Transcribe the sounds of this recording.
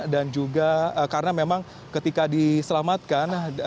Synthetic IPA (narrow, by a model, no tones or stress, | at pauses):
dand͡ʒuɡaəkaɾənamemaŋ | kət̪ikadisəlamat̪̚kan